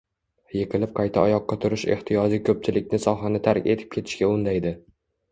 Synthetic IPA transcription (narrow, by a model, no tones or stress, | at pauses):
jeqʰɨlɪp̚qʰɑjt̪ʰaɒjɒqːɑt̪ʰʊɾɪʃe̞̰ht̪ʰɪjɒd͡ʒikʲʰɵp̚t͡ʃʰɪlɪkʲnɪsɒɦanɪt̪ʰaɾkʲe̞̰t̪ʰɪ̥p̚kʰʲe̞t̪ʰɪ̥ʃkʲaʊnd̪ajd̪ɪ